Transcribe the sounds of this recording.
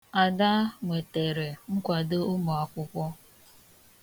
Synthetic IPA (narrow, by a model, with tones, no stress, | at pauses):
a˨da˦ŋʷe˨te˨ɾe˨ŋ̩˦kʷa˨dɪ˦ʊ˦mɔ˨a˨kʷʊ˦kʷɔ˦